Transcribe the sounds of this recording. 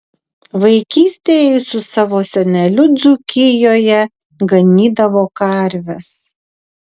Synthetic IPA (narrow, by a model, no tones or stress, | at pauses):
ʋɐɪkʲiːsʲt̪ʲeːjɪsʊsɑʋoːsʲɛnʲɛlʲʊd̪zʊkʲɪjoːjɛ | ɡɐnʲiːd̪ɐʋoːkɐɾʲʋʲɛs